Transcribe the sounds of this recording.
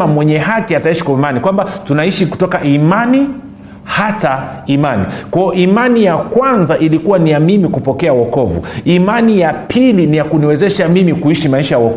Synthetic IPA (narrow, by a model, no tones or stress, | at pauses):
amwɛɲɛɦakiataiʃi̥kɔimanikwambatunaiʃiku̥tɔkaʔimani | hataimanḭkwajɔʔimanijakwanzaʔilikuwanijamimikupɔkɛawɔkɔvṵimanijapʰilinijakuniwɛzɛʃamimikuiʃimaiʃajawɔ